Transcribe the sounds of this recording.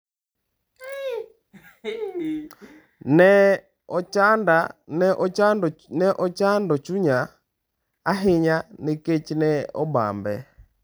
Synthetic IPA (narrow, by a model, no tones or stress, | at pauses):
nɛ | ɔt͡ʃandanɛʔɔt͡ʃandɔnɛʔɔt͡ʃandɔt͡ʃuɲa | aɦɪɲanɪket͡ʃinɛɔba̰mbɛ̰